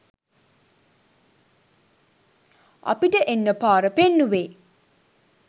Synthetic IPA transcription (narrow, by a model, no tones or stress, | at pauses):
ɐ̰piʈəʔenːəpaːɾəpenːuʋeː